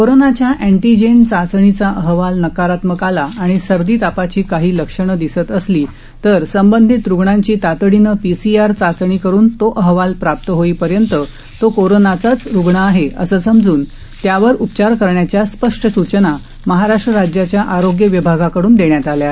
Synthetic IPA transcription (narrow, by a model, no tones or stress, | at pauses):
koɾonat͡ɕjaʔeɳʈid͡ʑent͡sat͡səɳ̃it͡saʔəɦʋalnəkaɾat̪məkalaːɽ̃isəɾd̪iːt̪apat͡ɕiːkaɦiːləkʂəɳ̃əd̪isət̪əsliː | t̪əɾsəmbənd̪ʱit̪ɾuɡɳaɲt͡ɕiːt̪at̪əɽinəpisiaɾt͡sat͡sɳikəɾuːnt̪oʔəɦʋalpɾap̚t̪əɦoiːpəɾjənt̪ə | t̪okoɾonat͡sat͡sɾuɡɳaːɦeə̰səsəmd͡zuːn | t̪jaʋəɾupt͡ɕaɾkəɾɳjat͡ɕjaspəʂʈʰəsut͡ɕəna | məɦaɾaʂʈɾəɾad͡ʑjat͡ɕjaʔaɾoɡjəʋibʱaɡakəɽuːnd̪eɳjat̪alja